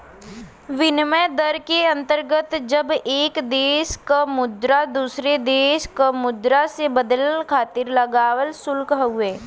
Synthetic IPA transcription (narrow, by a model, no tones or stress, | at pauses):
ʋɪnmɛd̪əɾkeɐ̃nt̪əɾɡət̪d͡ʒəbeːkd̪eːʃkamʊd̪ɾad̪uːsɾed̪eːʃkamʊd̪ɾasebəd̪əlkʰaːt̪ɪɾlɐɡaːwəlsʊlkɦɦʊeː